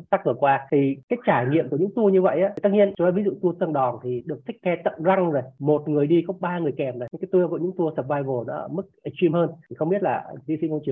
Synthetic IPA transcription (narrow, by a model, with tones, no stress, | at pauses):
t̪aː˦˥k̚vɨ˨˩əkwaː˧t̪ʰi˨˩kaː˨˦jt͡ɕaː˧˩jŋḭ˧˨əmku˧˩əɲɨ̰˧˥ŋt̪u˧əɲɨ˧və̰˧˨jʔaː˨˦˩t̪a˦˥k̚ɲi˧ənt͡ɕaː˨˧˦vi˨˦zṵ˧˨t̪u˧ət̪ɨ˧ənɗɔ˨˩nt̪ʰi˨˩ɗɨ˨˩ək̪̚ʰï˦˥k̟̚kɛ˧t̪ə̰˧˨nza˧ŋzo˨˩jmo˨˩t̚ŋɨ˨˩əjɗi˧xə˧˦ŋ͡mɓaː˧ŋɨ˨˩əjkɛ˨˩mza˨˩˧kaː˨˦jt̪u˧əku˧˩əɲɨ̰˧˥ŋt̪u˧əsə˨˩p̚vaː˧jvo˨˩nɔ̰˧˦ʔəː˧˩mɨ˦˥k̚ʔə˨˩t͡ɕwi˧mhəː˧nt̪ʰi˨˩xə˧wŋ͡mɓi˦˥ət̚laː˨˩˧zi˧˩si˧˦ŋko˧t͡ɕɨ˨˩ə